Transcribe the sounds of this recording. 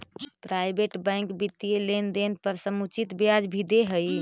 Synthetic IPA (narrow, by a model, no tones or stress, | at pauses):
pɾajbeʈbəjŋkbit̪ːielend̪enpəɾsəmut͡ʃit̪bjad͡ʒbʱid̪eɦəj